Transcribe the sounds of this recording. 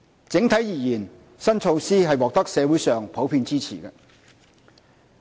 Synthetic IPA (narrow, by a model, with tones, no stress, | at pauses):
t͡sɪ˨˥ŋt̪ʰɐ˨˥jiː˨˩jiː˨˩n | sɐ˥nt͡ʃʰo˧wsiː˥ɦɐ˨jwɔː˨k̚t̪ɐ˥k̚sɛː˨˧wuː˨˥jsœː˨ŋpʰo˨˥wpʰiː˧nt͡siː˥t͡sʰḭː˨˩kɛ˧